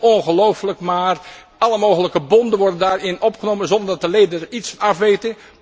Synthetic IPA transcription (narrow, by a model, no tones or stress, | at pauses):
ɔnχəlowfləkmaːr | ɑlˠəmoːɣələkəbɔndənʋɔɹdəndaːɹɪnɔpχənowmənzɔndəɹdɑt̚dəlejdəəɹitsnɑfʋejtə